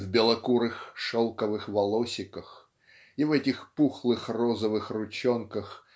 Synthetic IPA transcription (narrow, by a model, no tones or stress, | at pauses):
vbʲɪlˠɐkuɾɨxʂɔlˠkɐvɨxvɐlˠɔsʲɪkəx | ivɛtʲɪxpuxlˠɨxrɔzɐvɨxrʊt͡ɕɔnkəx